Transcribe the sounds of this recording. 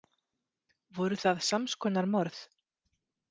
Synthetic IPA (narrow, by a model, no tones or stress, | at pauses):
vɔɾʏθaðsamskʰɔnaɾmɔɾθ